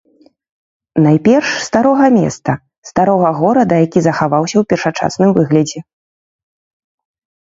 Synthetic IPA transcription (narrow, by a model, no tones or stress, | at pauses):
najpʲɛrʂst̪aɾɔɣɐmʲɛ̰st̪ɐ | st̪aɾɔɣɐɣɔɾɐd̪ɐjakʲizɐxavawsʲɐwpʲɛrʂat͡ʂa̰snɨmvɨɣlʲɐd͡zʲɛ